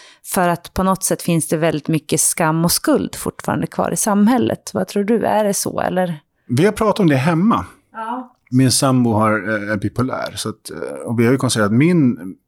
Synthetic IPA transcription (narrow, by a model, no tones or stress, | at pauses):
fœɾat̪pʰɔnɔt̪sɛt̪ːfɪnsd̪ɛvɛld̪ɪt̪mʏkːəskamːɔskɵld̪fʊ̰ʈːfɑ̰ːɾa̰nd̪əkʰvɑ̰ːɾʔɪsamːhɛlːʔə̰t̪vat̪ʰɾuːɖɵæ̰ɖɛsɔ̰ɛ̰lːəɾ | vɪhaɾpʰɾɑːt̪at̪ɔmd̪ɛɦɛmːa̰ | mɪnsambʊɦaɾpɪpʊlæ̰ːɾsɔat̪ɔvɪhaɾjəkʰɔnst̪t̪eːɾat̪mɪn